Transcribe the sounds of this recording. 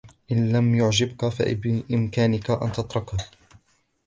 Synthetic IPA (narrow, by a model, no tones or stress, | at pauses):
ʔɪnlamjʊʕd͡ʒɪbkafa̰ʔbɪʔɪmkaːnɪkaʔa̰nt̪ɑt̪ˤɾˤɑka